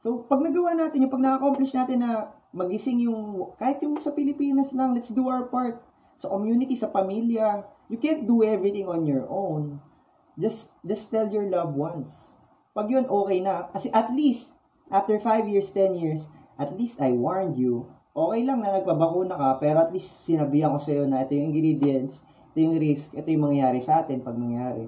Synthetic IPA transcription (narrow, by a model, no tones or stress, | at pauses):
so̞pɐɡ̚nɐɡɐwanaːt̪ɪnjʊpɐɡ̚nɐkɐkomplɪʃnaːt̪ɪnːɐ | mɐɡɪsɪŋjʊŋkaːhɪt̪̚jʊŋsɐpɪlɪpiːnɐslɐŋlɛt̪sd̪uʔawpaɹt̪̚ | sɐkomjuːnɪt̪isɐpɐmiljɐjʊkɛnt̪̚d̪uɛvɹɪt̪ɪ̃ŋonjɔɹʔown | d͡ʒɐs̚ | d͡ʒɐst̪ɛljɔɹlɐvwans | pɐɡjonʔoːkɛjnɐkɐsɛʔɐt̪list̪̚ | ʔaft̪ɛɹfajvjiɹst̪ɛnjiɹs | ʔɐt̪list̪ɐjwaɹnd̪ju | ʔo̞ːkɛjlɐŋnɐnɐɡ̚pɐbɐkuːnɐkɐpɛːɾoɐt̪list̪sɪnɐbihɐko̞sɐjo̞nɐʔɛt̪ojʊ̃ŋɪŋɡɾid̪ɪɛns | ʔɛt̪ojʊŋɾiskʔɛt̪o̞jʊŋmɐŋjaːɾɪsɐʔaːt̪ɛnpɐɡ̚mɐŋjaːɾɛ̰